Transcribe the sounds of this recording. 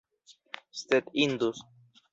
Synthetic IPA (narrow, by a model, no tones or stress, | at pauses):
st̪et̪ind̪us